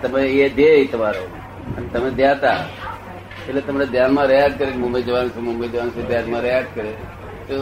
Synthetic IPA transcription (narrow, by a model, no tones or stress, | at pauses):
t̪əmẽed̪eit̪əmaɾo | ənet̪əmẽd̪jat̪a | elet̪əmaɾed̪janmãɾəjad͡ʒkəɾenmumbed͡ʒəʋansemumbed͡ʒəʋansed̪janmãɾəjad͡ʒ̚kəɾe | t̪o